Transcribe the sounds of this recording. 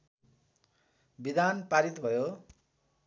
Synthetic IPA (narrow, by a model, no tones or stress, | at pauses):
bid̪anpaɾit̪bʱʌjo